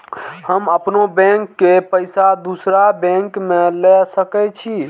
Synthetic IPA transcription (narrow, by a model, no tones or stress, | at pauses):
həməpnobɛ̃ŋkːepəjsad̪usɾabɛ̃ŋkmelɛsəkɛt͡ʃʰi